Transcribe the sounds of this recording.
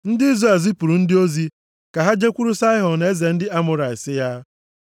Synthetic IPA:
n̩˦dɪ˦i˦zɾe˨lzi˦pu˨ɾu˨n̩˦dɪ˦o˦zi˦ | ka˨ɦa˦d͡ʒe˦kʷu˦ɾu˦sa˦ɪ˦ɦɔ˨ne˦ze˨n̩˦dɪ˦a˦mʊ˦ɾa˨ɪ˨sɪ˦ja˦

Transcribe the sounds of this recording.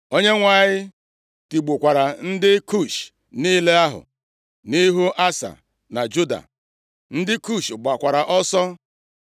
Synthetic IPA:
o˦ɲe˦ŋʷa˨ɲɪ˦ | ti˨ɡ͡bu˨kʷa˨ɾa˨n̩˦dɪ˦ku˦˨ʃ | ni˦le˦a˦ɦʊ̰˨ | ni˦ɦu˦ʔa˦sa̰˨ | na˨d͡ʒu˦da̰˨ | n̩˦dɪ˦ku˦˨ʃɡ͡ba˨kʷa˨ɾa˨ʔɔ˦sɔ˦

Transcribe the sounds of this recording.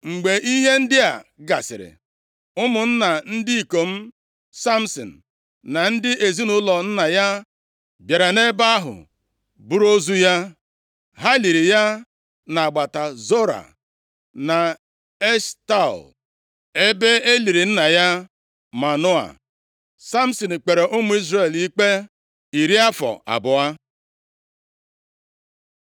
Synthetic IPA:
ŋ͡m̩˨ɡ͡be˨ʔi˦ɦe˦n̩˦dɪ˦a˨ɡa˨sɪ̰˨ɾɪ̰˨ | ʊ˦mʊ˨n̩˦na˨n̩˦dɪ˦i˨ko˨m̩˦ | sa˦m̩˨sɔ̰˨n̩˨ | na˨n̩˦dɪ˦ʔe˨zi˦nʊ˦lɔ˨n̩˦na˨ja˦ | bja˨ɾa˨ne˦ba˦a˦ɦʊ̰˨ | bu˦ɾo˦zu˦ja˦ | ɦa˦li˨ɾi˨ja˦ | na˨a˨ɡ͡ba˨ta˨zo˦ɾa̰˨ | na˨ | e˦ʃta̰˦˨l | e˦be˦e˦li˨ɾi˨n̩˦na˨ja˦ | ma˨nʊ˦a̰˨ | sa˦m̩˦so˨n̩˨k͡pe˨ɾe˨ʔʊ˦mʊ˦i˦zɾe˦˨li˦k͡pe˦ | i˨ɾi˦a˦fɔ̰˨a̰˨bʊ˨a˦

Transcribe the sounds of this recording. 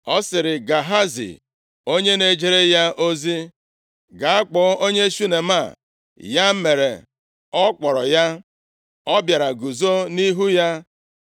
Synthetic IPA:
ɔ˦sɪ˨ɾɪ˨ɡa˨ɦa˦zḭ˨ | o˦ɲe˦ne˨d͡ʒe˦ɾe˦ja˦ʔo˦zi˦ | ɡa˨a˦k͡pɔ˨˦o˦ɲe˦ʃu˦ne˨ma˦˨ | ja˦m̩˦me˨ɾe˨ | ɔ˦k͡pɔ˨ɾɔ˨ja˦ | ɔ˦bja˨ɾa˨ɡu˨zo˦ni˦ɦu˦ja˦

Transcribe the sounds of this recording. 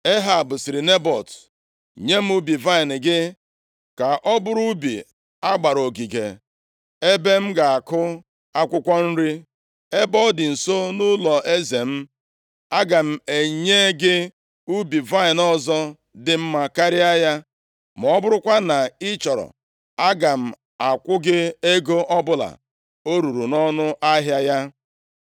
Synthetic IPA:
e˦ɦa˨bʊ˨si˨ɾi˨ne˦bɔ˨t | ɲe˦m̩˦u˦bi˨va˦ɪ˨nɪ˨ɡɪ˦ | ka˨ʔɔ˦bʊ˦ɾu˦bḭ˨ | a˦ɡ͡ba˨ɾo˨ɡi˨ɡḛ˨ | e˦be˦m̩˦ɡa˨a˨kʊ˦ | a˦kʷʊ˦kʷɔ˦n̩˦ɾi˦ | e˦bɔ˦dɪ˨n̩˨so˦nʊ˦lɔ˨ʔe˦ze˨m̩˦ | a˦ɡa˨m̩˨e˨ɲe˦ɡɪ˦ | u˦bi˨va˦ɪ˨nɔ˦zɔ˦ | dɪ˨m̩˦ma˦ka˦ɾɪ˦a˦ja˦ | m˨ɔ˦bʊ˦ɾʊ˦kʷa˦na˨ɪ˦t͡ʃɔ˨ɾɔ̰˨ | a˦ɡa˨m̩˨ | a˨kʷʊ˦ɡɪ˦e˦ɡo˦ʔɔ˦bʊ˦la̰˨ | o˦ɾu˨ɾu˨nɔ˦nʊ˦ʔa˦ɦja˦ja˦

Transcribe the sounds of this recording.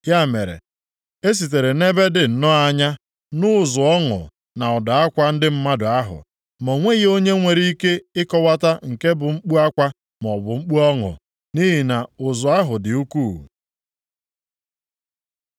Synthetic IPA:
ja˦˨me˨ɾḛ˨ | e˦s̬i˨t̬e˨ɾe˨ne˦be˦dɪ˨n̩˨nɔ˦a˦ɲa˦ | nʊ˦˨zʊ˨ɔ˦ŋʊ̰˨ | na˨ɔ˨da˨a˦kʷa˦n̩˦dɪ˦m̩˦ma˦dʊ˨a˦ɦʊ̰˨ | mɔ˨ŋʷe˦ɣi˦o˦ɲe˦ŋʷe˨ɾi˦i˦ke˦ɪ˦kɔ˦wa˦ta˦ŋ̩˨ke˦bʊ˨ŋ͡m̩˦k͡pu˦a˦kʷa˦ | m˨ɔ˨bʊ˨ŋ͡m̩˦k͡pu˦ɔ˦ŋʊ̰˨ | ni˦ɦi˨na˨ʊ˨zʊ˨a˦ɦʊ˨dɪ˨u˦kuː˦˨

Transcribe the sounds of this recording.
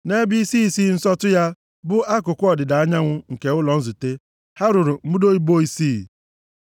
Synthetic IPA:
ne˦bi˦si˦si˦n̩˦sɔ˦tʊ˦ja˦ | bʊ˦a˦kʊ˨kʷʊ˦ɔ˨dɪ˨da˨a˦ɲa˦ŋʷʊ˦ŋ̩˨ke˨ʊ˦lɔ˨n̩˦zu˨te˦ | ha˦ɾʊ˨ɾʊ˨m̩˦u˦do˦i˦bo˦i˦siː˦˨

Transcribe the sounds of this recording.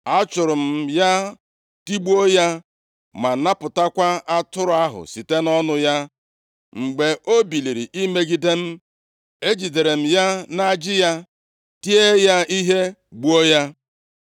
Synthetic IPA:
a˦t͡ʃʊ˨ɾʊ˨m̩˨ja˦ | ti˦ɡ͡bu˦o˦ja˦ | ma˨na˦pʊ˨ta˦kʷa˦ʔa˦tʊ˦ɾʊ˨˦a˦ɦʊ̰˨si˨te˦nɔ˦nʊ˦ja˦ | ŋ͡m̩˨ɡ͡be˨ʔo˦bi˨li˨ɾi˨ʔi˦me˦ɡi˦de˦m̩˦ | e˦d͡ʒi˨de˨ɾe˨m̩˨ja˦na˦d͡ʒɪ˦ja˦ | ti˦e˦ja˦i˦ɦe˦ɡ͡bu˦o˦ja˦

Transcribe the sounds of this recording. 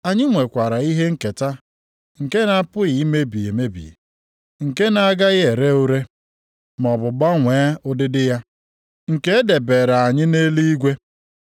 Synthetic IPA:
a˨ɲɪ˦ŋʷe˨kʷa˨ɾa˨i˦ɦe˦ŋ̩˦˨ke˨ta˦ | ŋ̩˨ke˦na˦˨pʊ˦ɣɪ˨i˦me˦bi˨e˨me˦bḭ˨ | ŋ̩˨ke˦na˨a˦ɡa˦ɣɪ˦e˨ɾe˦o˦ɾe˦ | m˨ɔ˨bʊ˨ɡ͡ba˦ŋʷe˨˦ʊ˦dɪ˦dɪ˦ja˦ | ŋ̩˨ke˦e˦de˨beː˨ɾa˨a˨ɲɪ˦ne˦li˦i˦ɡʷe˦

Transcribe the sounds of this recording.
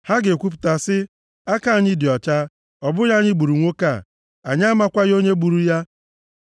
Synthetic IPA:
ha˦ɡe˨kʷu˦p̬ʊ̥˨ta˨sɪ˦ | a˦ka˦˨ɲɪ˦dɪ˨ɔ˨t͡ʃa˦ | ɔ˨bʊ˦ja˦ɲɪ˦ɡ͡bu˨ɾu˨ŋʷo˦ka˦˨ | a˨ɲ˦a˦ma˦kʷa˦jo˦ɲe˦ɡ͡bu˨ɾu˦ja˦

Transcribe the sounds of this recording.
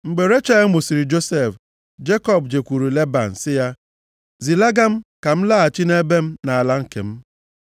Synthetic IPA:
ŋ͡m̩˨ɡ͡be˨ɾe˦t͡ʃa˦mu˨si˨ɾi˨d͡ʒo˦se˦˨f | d͡ʒe˦kɔ˦˨b̚d͡ʒe˨kʷu˨ɾu˨le˦ba̰˨n̩˨sɪ˦ja˦ | zi˨la˦ɡa˦m̩˦ka˨m̩˦la˦a˨t͡ʃi˦ne˦be˦m̩˦na˨a˨la˦ŋ̩˨kḛ˨m̩˦

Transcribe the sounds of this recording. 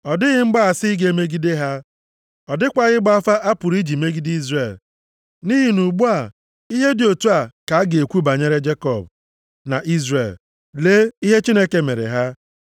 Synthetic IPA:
ɔ˨dɪ˦ɣɪ˦ŋ͡m̩˦ɡ͡ba˦a˨sɪ˦ɡe˦me˦ɡi˦de˦ɦa˦ | ɔ˨dɪ˦kʷa˨ɣɪ˦ɡ͡ba˦fa˦ʔa˦pʊ˨ɾi˦d͡ʒi˨me˦ɡi˦di˦zre˨l | ni˦ɦi˨nu˨ɡ͡bu˦a˨ | i˦ɦe˦dɪ˨o˨tu˦a˨ka˨a˦ɡe˨kʷu˦ba˨ɲe˦ɾe˦d͡ʒe˦kɔ̰˨b̚ | na̰˨ʔi˦zre˨l | leː˦i˦ɦe˦t͡ʃi˦ne˦ke˨mḛ˨ɾḛ˨ɦa˦

